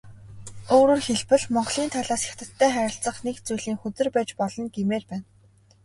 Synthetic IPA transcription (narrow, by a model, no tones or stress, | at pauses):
oːɾoːrxeɮpɘ̆ɮmɔɴɢɮiːnt̪ʰaɮaːsxḁxt̪ə̆t̪ʰːæːχæɾʲɪ̆ɬt͡sə̆χnekt͡sujɮiːŋxɵt̪ɘ̆rpæːt͡ɕpɔɮɞ̆nɡemeːrpæːn